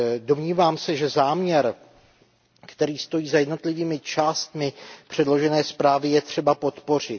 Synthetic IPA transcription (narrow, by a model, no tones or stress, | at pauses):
do̞mɲiːvaːmsɛʒɛzaːmɲɛɾ | kt̪ɛɾiːst̪o̞jiːzajɛdno̞t̪lɪviːmɪt͡ʃaːst̪mɪpr̝̥ɛdlo̞ʒɛnɛːspɾaːvɪjɛt̪r̝̥ɛbapo̞t̪po̞r̝ɪt̪